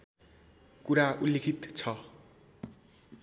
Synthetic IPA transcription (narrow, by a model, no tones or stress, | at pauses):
kuɾaulːekʰit̪t͡sʰʌ